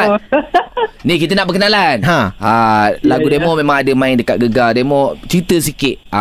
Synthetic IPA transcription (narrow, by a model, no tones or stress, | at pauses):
nikit̪ənaʔbəkənalanɦãalaɡudemɔmẽmãŋadəmãɪndəkat̪̚ɡəɡademɔt͡ʃɾit̪əsikɪʔ̪̚a